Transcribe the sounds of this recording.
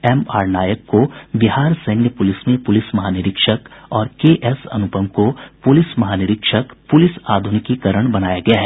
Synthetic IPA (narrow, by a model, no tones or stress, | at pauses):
ɛmaːɾnaːjəkːobɪɦaːɾsɐ̃ːnjəpʊlɪsmẽpʊlɪsmɐɦaːnɪɾɪkʃəkɔːɾkeːʔɛsɐ̰nʊpəmkopʊlɪsmɐɦaːnɪɾɪkʃəkpʊlɪsaːd̪ʱʊnɪkikɐɾəɽ̃bɐnaːjaɡɐjaɦɛː